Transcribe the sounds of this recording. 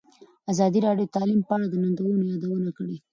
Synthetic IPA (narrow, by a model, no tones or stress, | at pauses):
azɑd̪iɾɑɖjod̪ət̪ɑlimpəaɽad̪ənand̪awənojɑd̪awənakəɽe